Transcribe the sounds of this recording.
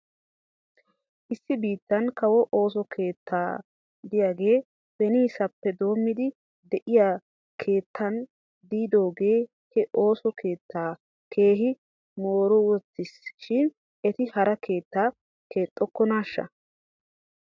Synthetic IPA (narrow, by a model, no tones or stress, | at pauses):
ʔɪsːɪbiːt̪ːɐnkɐwɔʔoːs̬ɔkʰe̞ːt̪ʰːaː | d̪ɪjaːɡe̞ː | b̥ɛniːsɐpːɛd̪o̞ːmːɪd̪ɪ | d̪ɛʔɪjaː | kʰe̞ːt̪ʰːɐn | d̪iːd̪o̞ːɡe̞ː | hɛʔo̞ːsɔkʰe̞ːt̪ːaː | kʰe̞ːɦɪ | moːɾɔwɔt͡sːɪsʃɪn | ʔɛt̪ɪhɐɾɐkʰe̞ːt̪ːaː | ke̞ːt̪ʼːɔkːɔnaːʃːɐ̰